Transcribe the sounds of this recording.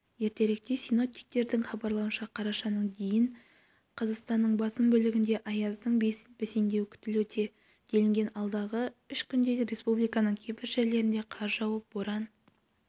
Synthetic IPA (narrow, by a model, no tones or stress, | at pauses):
je̞ɾt̪e̞ɾɪk̚t̪esino̞p̚t̪i̥jk̚t̪e̞ɾd̪ɪŋχɑbɑɾlˠɑwənʃɑqʰɑɾɑʃɑnəɴd̪ejɪɴ | qʰɑzɑqst̪ɑnːəɴbɑsəmbɵlɪɡʲɪnd̪e̞ʔɑjɑzd̪əɴbb̥esend̪e̞wkʲʰʏ̥t̪ɪlwɵt̪ʰe̞ | d̪̥e̞lɪŋɡʲe̞nɑlˠd̪ɑʁəʏʃkʲʰʏnd̪e̞ɾe̞spublˠijkɑnəɴkʲʰebɪɾʒe̞ɾle̞ɾɪnd̪e̞qʰɑɾʒɑwɑp̚boɾɑn